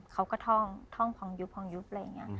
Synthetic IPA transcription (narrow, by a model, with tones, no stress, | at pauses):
kʰa˧˦˥wkɔː˥˩t̪ʰɔː˥˩ŋt̪ʰɔː˥˩ŋpʰɔ˨˧˦ŋju˦˥p̚ʰɔ˧˦ŋju˧˦˥p̚la˧˩˨a˨˩ŋːi˦˥ɐ˨